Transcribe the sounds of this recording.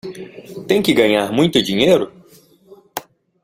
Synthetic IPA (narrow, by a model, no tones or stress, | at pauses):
t̪ẽj̃kɪɡɐ̃ɲaɾmũj̃t̪ʊd͡ʒiɲejɾʊ